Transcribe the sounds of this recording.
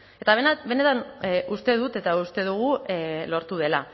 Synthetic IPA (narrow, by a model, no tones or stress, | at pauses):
e̞t̪aβ̞enabe̞ne̞t̪anʔust̪e̞ð̞ut̪e̞t̪aust̪e̞ðuɣ̞ulo̞ɾt̪uð̞e̞la